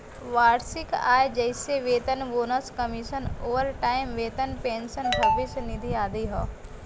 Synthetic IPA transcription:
ʋaːɾsɪka̰ːjd͡ʒɐɪseʋeːt̪ənʋoːnəskɐmiʃənoːʋəɾʈaːɪmʋeːt̪ənpẽːnsənbʱɐbisnɪd̪ʱiaːd̪iɦɔ̰ː

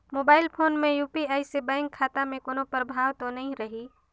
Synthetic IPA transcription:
moːbaːɪlpʰoːnmẽjuːpiaːisebãːɪ̃ŋkʰːaːt̪amẽkoːnõpəɾbʱaːʋt̪onɐɦĩɾəɦiː

